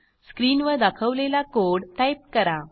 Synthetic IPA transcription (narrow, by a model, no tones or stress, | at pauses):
skɾinʋəd̪akʰəʋlelakoɽʈajp̚kəɾa